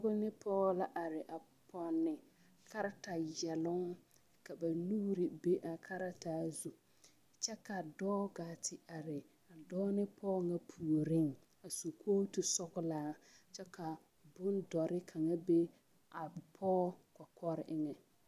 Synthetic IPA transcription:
ɣʊ˦nɪ˦pʰɔː˦la˨ʔa˨ɾɪ˨ʔa˨ | pʰɔ˦nːɪ˨ | kʰa˦ɾa˦ta˨jɛ˨lʊ˦ŋ | ka˨ba˨nuː˦ɾɪ˨be˦ʔa˨kʰa˦ɾa˦taː˦zu˨ | t͡ʃɛ˦ka˨dɔː˦ɡaː˨tʰɪ˨a˨ɾɪ˨ | a˨dɔː˦nɪ˦pʰɔː˦ŋa˦pʰu˨o˨ɾɪ˦˨ŋ | a˨su˨kʰoː˦tu˨sɔ˦ɣʊ˦laː˦t͡ʃɛ˦ka˨ | bʊ˦ndɔ˨ɾɪ˦kʰa˨ŋa˦be˦ | a˨pʰɔː˦ka˨kʰɔ˦ɾɪ˨ʔɪ˦ŋɛ˨

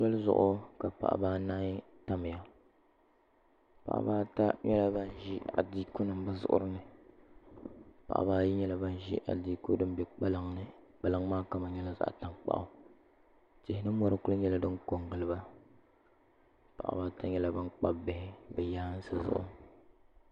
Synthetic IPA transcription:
sa˦lzʊ̰˨ʔʊ˦ka˨pa̰˨ʔa̰˨baː˦na˦ɲi˦ta˦mɪ˨ja˨ | pa̰˨ʔa̰˨baː˦ta˦ɲɛ˦la˦ba˦n˦ʒi˦a̰˨diː˦kʊ˦nɨ˨mba˦zʊ̰˦ʔʊ̰˦ɾɨ˦nɨ˨ | pa̰˨ʔa̰˨baː˦ji˦ɲɛ˦la˦ba˦n˨ʒḭ˦ʔa̰˨diː˦ko˦dɨ˦m˦bɛ˨k͡pa˦lɨ˨ŋnɨ˨k͡pa˨lɨ˦ŋmaː˦ka˦ma˨ɲɛ˦la˦za̰˨ʔta˨ŋk͡pa̰˦ʔʊ˦ | tɪ˨hɪ˨˦nɨ˦mɔ˦ɾɨ˦kʊ˦lɨ˦ɲɛ˦la˦dɨ˦ŋko˨ŋɡɨ˨lɨ˦ba˦ | pa̰˨ʔa̰˨baː˦ta˦ɲɛ˦la˦ba˦nk͡pa˦bbɪ˦hɪ˦bɛ˨jaː˦n̩˦sɨ˦zʊ̰˦ʔʊ̰˦

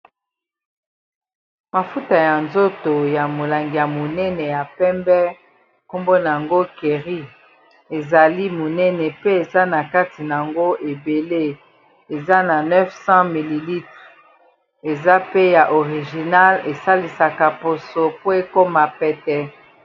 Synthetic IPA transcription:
ma˨fu˦ta˨ja˨nzo˦to˨ja˨mo˨la˨ŋɡi˨ja˨mo˨nɛ˦nɛ˨ja˨pɛ˦mbɛ˦ | ko˦mbo˦na˨a˨ŋɡo˦ke˨ʁi˦ | e˨za˨li˦mo˨nɛ˦nɛ˨pe˦e˨za˦na˨ka˦ti˨na˨a˨ŋɡo˦ʔe˨be˨le˦ | e˨za˦na˨nɛ˦fsɑ̃˦mi˨li˨li˦tʁ | e˨za˦pe˦ja˨ʔo˨ʁi˨ʒi˨na˦le˨sa˦li˨sa˨ka˨po˨so˨po˦e˦ko˦ma˨pɛ˨tɛ˦

